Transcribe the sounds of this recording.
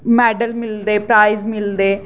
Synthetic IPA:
mɛːɖəlmɪld̪eːpɾaːizmɪld̪eː

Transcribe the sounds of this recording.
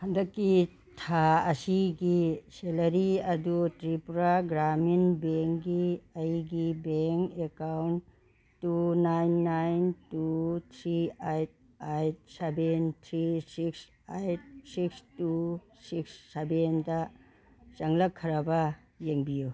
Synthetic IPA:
hɐndɐkːi | tʰaɐsiɡiselɐɾiɐdutɾipɾaɡɾaminbeŋɡiɐjɡibeŋkekawn | tːunajnːajntut̪ʰɾiajt̚ | ajt̚sebentʰɾisiks | ajt̚sikstu | siksːebendɐ | t͡ʃɐŋlɐkʰːɐɾɐbɐ | jeŋbiju

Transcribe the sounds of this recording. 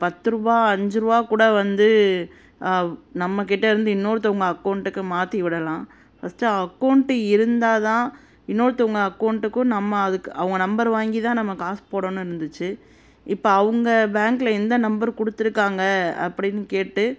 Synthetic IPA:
pɐt̪ːɯɾɯbaːɐɲd͡ʒɯɾɯʋaːkuːɽɐʋɐnd̪ɯ | nɐmːɐk̬ɛʈːɐɪɾɯnd̪ɯɪnːoːɾɯt̪ɐʋɐŋɡɐːkːɐʊɳʈɯkːɯmaːt̪ːiʋɪɽɐlãː | pɐst͡ʃaɐkːɐʊɳʈɯɪɾɯnd̪aːt̪ãː | ɪnːoːɾɯt̪ɐʋɐŋɡɐːkːɐʊɳʈɯkːʊ̃nɐmːɐːðɯkːɯɐʋɐŋɡɐnɐmbɐɾʋaːŋɡit̪ãːnɐmːɐkaːspoːɽɐnːɯ̃ɪɾɯnd̪ɯt͡ʃːɯ | ɪpːoɐʋɯŋɡɐbaːŋklɐɪnd̪ɐnɐmbɐɾkɔɽɯt̪ːɪɾɯkːaːŋɡɐɐ̰pːɐɽɪnːɯkeːʈːɯ

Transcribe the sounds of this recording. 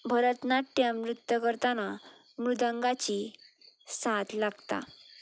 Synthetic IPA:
bʱəɾət̪nat̪ːjamɾut̪jəkəɾt̪ana | mɾud̪ə̃ŋɡat͡ɕi | sat̪laɡt̪a̰

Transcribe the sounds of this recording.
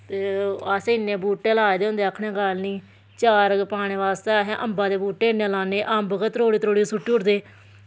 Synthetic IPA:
t̪eːaseːɪnːẽːbuːʈːeːlaːed̪eːɦʊ̃nd̪eːakʰːɳẽːɡaːlniː | t͡ʃaːɾəɡpaːɽ̃ẽːʋaːst̪eːɦẽːʔəmbãːd̪eːbuːʈːeːɪnːẽːlãːnẽːʔaːmbəɡəɾoːɽiːt̪ɾoːɽiːsʊʈːiːʊɾd̪eː

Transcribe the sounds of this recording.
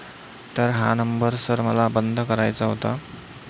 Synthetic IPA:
t̪əɾɦa̰nəmbəɾsəɾməlabənd̪ʱkəɾajt͡saɦot̪a

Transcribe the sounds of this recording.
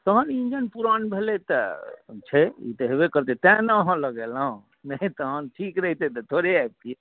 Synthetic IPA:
t̪əɦənind͡ʒənpuɾanbʱelet̪ət͡ʃʰɛḭt̪əɦebekəɾt̪et̪ɛ̃nəːɦə̃ləɡelaɦũ | nət̪əɦənʈʰikɾəɦit̪et̪ət̪ʰoɾeɛb̚t̪i

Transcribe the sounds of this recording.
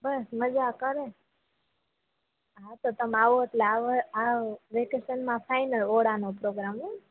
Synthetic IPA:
bəsməd͡ʒakəɾe | ɦat̪ot̪əmaʋoet̪leaʋəaʋekesənmãfʰajnəloɽanõpɾoɡɾamo

